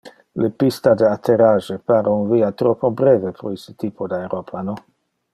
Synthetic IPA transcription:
lepist̪ad̪eat̪ʰeɾaʒepaɾeunviat̪ɾopobɾevepɾoisə̥t̪ipʰod̪aeɾopʰano

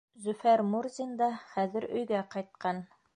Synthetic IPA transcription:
zɵ̆fæɾmuɾzʲind̪ɑχæðɘ̆ɾɵ̰̆jɡæqɑjt̪̚qɑn

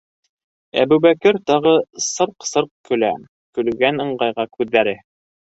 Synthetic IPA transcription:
æ̰bʉβækɘɾt̪ɑʁɤsɤɾqsɤɾq̚kɵ̆læ̰ | kɵ̆lɡænɤ̆ɴɢɑjʁɑkʉðːæɾɘ

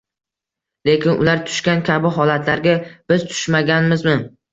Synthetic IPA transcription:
le̞kʲɪnʔʊ̰laɾt̪ʰʊ̥ʃkʲankʲʰabɪɦɒlat̪ʰlaɾɡʲab̥ɪz̥t̪ʰʊ̥ʃmaɡʲanmɪzmɪ

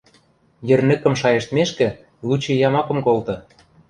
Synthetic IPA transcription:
jɘ̆rnɘ̆kə̆mʃɑjĕʃt̪meʃkɘ̆ | lut͡ɕĕjɑmɑkɤ̆mkolt̪ɤ̆

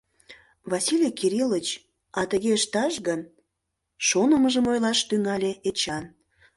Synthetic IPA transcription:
βɑsilʲijkiɾilət͡ɕ | ɑt̪əɣeəʃt̪ɑʃɣən | ʃonəməʒəmojlɑʃt̪yŋɑlʲeet͡ɕɑn

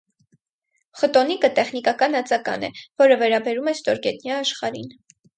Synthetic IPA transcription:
χət̪ɔnikət̪ɛχnikɑkɑnɑt͡sɑkɑ̰nɛ̰vɔɾəvɛɾɑbɛɾumɛst̪ɔɾɡɛt̪njɑːʃχɑɾin

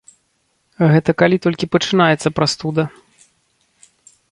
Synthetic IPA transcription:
ɣɛt̪ɐkalʲit̪ɔlʲkʲipɐt͡ʂɨnajɛt̪sɐpɾast̪ud̪ɐ

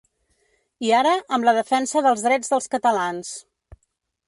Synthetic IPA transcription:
iaɾəʔəmləðəfɛnsəðəlˠzðɾɛd͡zðəlˠskət̪əlans

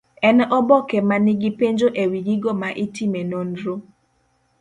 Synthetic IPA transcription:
ɛnɛʔɔbɔkɛmanɪɡipeɲd͡ʒoʔewiɡiɡomaʔitimenonɾo

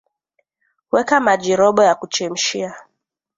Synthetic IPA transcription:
wɛkamad͡ʒiɾɔɓɔjakut͡ʃɛm̩ʃia

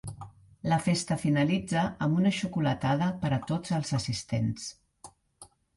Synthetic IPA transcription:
ləfest̪əfinəlid͡zəʔəmbunəʃukulət̪að̞əpəɾət̪od͡zəlˠzəsist̪ens

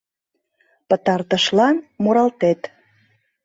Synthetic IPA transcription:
pə̆t̪ɑrt̪ə̆ʃlɑnmuɾɑlt̪et̪

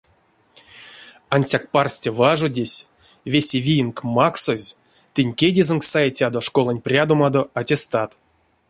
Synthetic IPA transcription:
anʲsʲak̚parsʲtʲevaʐodʲesʲ | vʲesʲevʲijinkmaksozʲ | t̪ɨnʲkʲedʲizɨnksajetʲad̪o̞ʂkolˠanʲprʲad̪omad̪oatʲest̪at̪

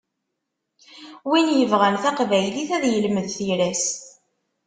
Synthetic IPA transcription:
winjəvʁænθæqvæjliθæðjəlməðθiɾæs

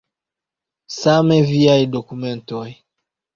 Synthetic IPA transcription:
samɛviaidɔkumɛ̃ntɔj

